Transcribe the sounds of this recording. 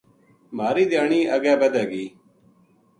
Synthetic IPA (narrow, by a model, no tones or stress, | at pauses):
maːɾiːd̪ɪjaːɳiːʔəɡɛːbəd̪ɛːɡiː